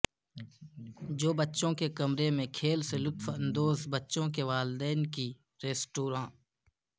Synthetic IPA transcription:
d͡ʒoːbətːʃõkekəmɾemẽkʰeːlselʊt̪fə̃nd̪oːzbətːʃõk̬eʋaːld̪ɛːnki | ɾeːsʈoːɾãː

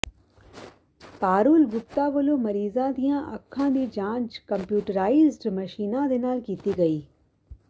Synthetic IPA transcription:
paːɾuːlbʊp̚t̪aʋəlomɐɾiːzãd̪ijãʔɐkʰːãd̪id͡ʒãːnt͡ʃkɐmpjuːʈəɾaːɪzɖmɐʃiːnãd̪enaːlkiːt̪iɡɐiː

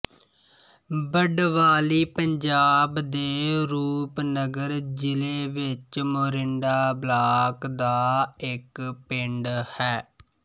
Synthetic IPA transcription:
bəɖʋaːliːpəɲd͡ʒaːbd̪eːɾuːpnəɡəɾd͡ʒɪleːʋɪt͡ʃmoːɾɪɳɖaːblaːkd̪aːɪkpɪɳɖhɛː

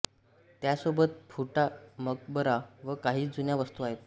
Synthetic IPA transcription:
t̪jasobət̪̚fuʈamək̚bəɾaʋəkaɦiːd͡zunjaʋəst̪uaɦet̪̚

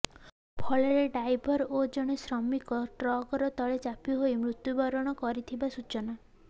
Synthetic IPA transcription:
pʰɔɭeɾeɖajbʱɔɾod͡ʒɔɽ̃esɾɔmikɔʈɾɔɡɔɾɔt̪ɔɭet͡ʃapiɦojmɾut̪jubɔɾɔɽ̃ɔkɔɾit̪ʰibasut͡ʃɔna

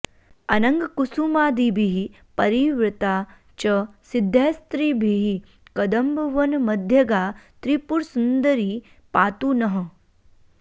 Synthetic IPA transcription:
ɐnɐŋɡkusumaːd̪ibʱiɦi | pɐɾiʋɾɪt̪aː | t͡ʃɐsɪd̪ʱːest̪ɾiːbʱiɦi | kɐd̪ɐmbʋɐnmɐd̪ʱjɐɡaːt̪ɾipuɾsund̪əɾiː | paːt̪uːnɐɦə̆

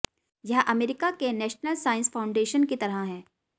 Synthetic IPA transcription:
jɐɦʔɐmeːɾɪkakenɛːʃnəlsaːɪ̃nsfaːʊ̃ɳɖeːʃənkit̪ɐɾəaɦɛ̃ː

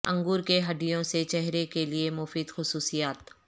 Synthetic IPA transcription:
ɐ̃ŋɡuːɾkeɦɐɖ̪ijõset͡ʃɛɦɾekeliemʊfiːd̪xʊsuːsijaːt̪

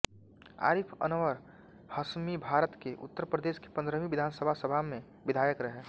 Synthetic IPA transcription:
a̰ːɾipʰə̰nəʋəɾ | həsmibʱaːɾət̪keʔʊ̰t̪ːəɾpɾəd̪eːʃke̥pə̃nd̪ɾəmiʋɪd̪ʱaːnsəbʱasəbʱamẽ | ʋɪd̪ʱaːjəkɾəɦɛ

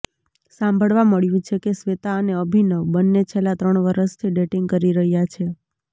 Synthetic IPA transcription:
sãmbʱəɭʋaməɭjũt͡ʃʰekesʋet̪aəneəbʱinəʋbənːet͡ʃʰelat̪ɾəɳʋəɾəʃt̪ʰiɖeʈiŋɡ̚kəɾiɾəɦjat͡ʃʰe

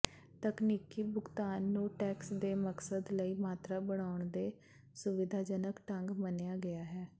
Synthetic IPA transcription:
t̪əkniːkiːbʊɡt̪aːnːũːʈɛːksd̪eːməksəd̪ləiːmaːt̪ɾaːbəɽ̃aːʊɳd̪eː | sʊʋɪd̪ʱaːd͡ʒənəkʈəŋɡmənejaːɡɪjaːɦɛː

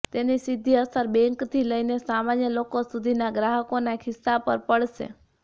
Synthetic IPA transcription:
t̪enisid̪ʱiəsəɾbɛ̃ŋkt̪ʰiləinesamanjəlokosud̪ʱinaɡɾaɦəkonakʰɪsːapəɾpəɭʃḛ

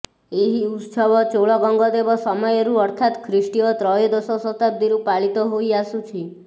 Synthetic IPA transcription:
eɦiut̪sɔbɔt͡ʃoɭɔɡɔŋɡɔd̪ebɔsɔmɔjɔɾuɔɾt̪ʰat̪kʰɾisʈiɔt̪ɾɔjɔd̪ɔsɔsɔt̪ab̚d̪iɾupaɭit̪ɔɦojasut͡ʃʰi

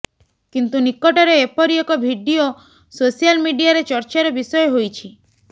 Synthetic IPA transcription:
kint̪unikːɔʈɔɾeːpɔɾiekɔbʱiɖio | sosijalmiɖiaɾet͡ʃɔɾt͡ʃaɾɔbisɔjɔɦojt͡ʃʰi

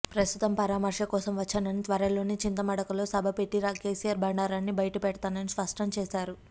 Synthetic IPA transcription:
pɾɐst̪ut̪ɐmpɐɾaːmɐɾʂɐkɔːsɐmʋɐt͡ʃːaːnɐnit̪ʋɐɾɐlo̞ːnit͡ʃint̪ɐmɐɽɐkɐlo̞ːsɐbʱɐpe̞ʈːiɾaːke̞ːsijaːɾbʱɐɳɖaːɾaːnːibɐjɐʈɐpɛɽɐt̪aːnɐnispɐʂʈɾɐmt͡ʃeːsaːɾu

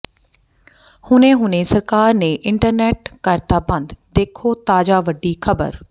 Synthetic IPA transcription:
hʊnẽːɦʊnẽːsəɾkaːɾnẽːʔɪɳʈəɾnɛːʈkəɾt̪aːbə̃nd̪d̪eːkʰoːt̪aːd͡ʒaːʋəɖːiːkʰəbə̰ɾ

